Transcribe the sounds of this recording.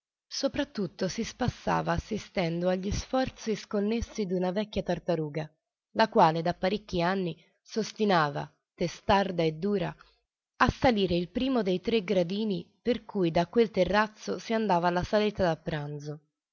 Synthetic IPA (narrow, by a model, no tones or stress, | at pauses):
sopɾat̪ːut̪ːosispasːa̰ːvaːsːist̪ɛnd̪oaʎːisfɔrt̪siskonːesːid̪unavɛkːjat̪art̪aɾuːɡa | lakwaːled̪apːaɾekʲːianːi | sost̪inaːva̰ | t̪est̪ard̪aed̪ːuːɾa̰ | asːaliːɾeilpɾiːmod̪ejt̪ɾeɡɾad̪iːniperkujd̪akːwelt̪erːat̪sːosiand̪aːvalasalɛːt̪ad̪apːɾanzo